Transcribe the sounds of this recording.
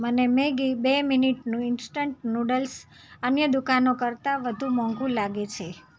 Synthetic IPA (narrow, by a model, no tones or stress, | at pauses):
mənemeɡibeminiʈnũɪnsʈəɳʈ̚nuɖəls | ənjəd̪ukanokəɾt̪aʋəd̪ʱũmɔ̃ŋɡũlaɡet͡ʃʰe